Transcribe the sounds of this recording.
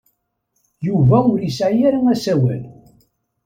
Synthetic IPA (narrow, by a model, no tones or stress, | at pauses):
juvæʊɾisʕjæɾaŋæsæwæ̰l